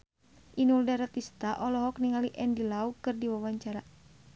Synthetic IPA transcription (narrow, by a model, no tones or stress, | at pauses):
ʔinuldaɾat̪ist̪aʔɔlɔɦɔk̚niŋaliʔɛndilaukɨrdiwawaɲt͡ʃaɾa